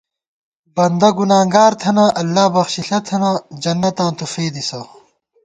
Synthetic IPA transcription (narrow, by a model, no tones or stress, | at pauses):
bɐnd̪ɐɡunaːŋɡaːɾt̪ʰɐnaʔɐlːaːbɐxɕiɬɐt̪ʰɐnad͡ʑɐnːɐt̪ãːt̪ufeːd̪isɐ